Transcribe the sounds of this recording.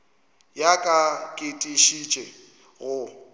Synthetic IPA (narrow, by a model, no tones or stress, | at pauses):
jakʼakʼɪtʼiʃit͡ʃʼɛ | ɣʊ